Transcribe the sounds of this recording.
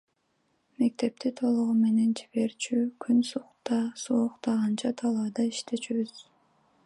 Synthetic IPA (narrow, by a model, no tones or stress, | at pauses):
me̞k̚t̪e̞p̚t̪it̪ʰo̞lˠuʁume̞ne̞nd͡ʒiβe̞ɾt͡ʃʰykʰʲynsuqt̪ɑsuoqt̪ɑʁɑnt͡ʃʰɑt̪ʰɑlˠɑd̪ɑiʃt̪ʰe̞t͡ʃyβyz̥